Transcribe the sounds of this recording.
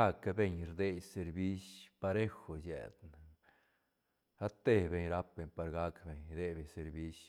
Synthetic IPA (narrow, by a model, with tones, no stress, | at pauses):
a˦kabe˧ɲɾd̪e˧jse˧ɾbi˦spa˧ɾe˦xo˨jḛ˨d̪n | a˦t̪e˧be˨ɲɾa˦p̚be˨ɲpa˧ɾɡa˦kbe˨ɲd̪e˧be˨ɲse˧ɾbi˦s